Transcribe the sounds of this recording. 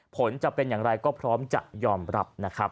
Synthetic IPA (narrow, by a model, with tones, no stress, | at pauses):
pʰo˩˦nt͡ɕa˨˩pe˧njaː˨˩ŋɾa˧jkɔː˥˩pʰɾɔː˦˥mt͡ɕa̰˨˩ʔjɔː˧mɾa˦˥p̚na˦˥kʰɾa˦˥p̚